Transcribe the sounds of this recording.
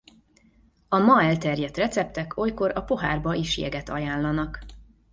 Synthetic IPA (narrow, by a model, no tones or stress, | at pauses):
ɒmɒɛlt̪ɛrjɛt̪rɛt̪sɛp̚t̪ɛkʰo̞jko̞ɾɒpo̞ɦa̰ːrbɒʔiʃjɛ̰ɡɛt̪ɒ̰jaːlːɒnɒk